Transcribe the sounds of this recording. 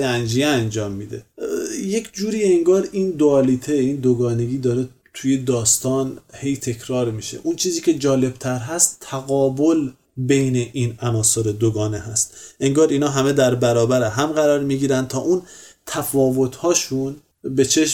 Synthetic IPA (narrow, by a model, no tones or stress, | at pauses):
ænd͡ʒijeænd͡ʒɒːmːiːd̪ḛje̞kʰd͡ʒuːɾiːeŋɡɒːɾiːnd̪oɒːlit̪ʰeiːnd̪oɡɒːne̞ɡiːd̪ɒːɾe | t̪ʰuje̞d̪ɒːst̪ɒːnhe̞jt̪ʰe̞kʰɾɒːɾmiʃḛʔunt͡ʃʰiːziːcʰe̞d͡ʒɒːle̞b̥̚t̪ʰæɾɦæst̪ʰːæɣɒːbo̞l | bejneʔiːnænɒːso̞ɾed̪oɡɒːneɦæst̪e̞ŋɡɒːɾiːnɒːɦæme̞d̪æɾbæɾɒːbæɾeɦæmɢæɾɒːɾmiːɡiːɾæn̚t̪ʰɒːʔunt̪ʰæfɒːvo̞t̪ʰhɒːʃun | be̞t͡ʃʰe̞ʃ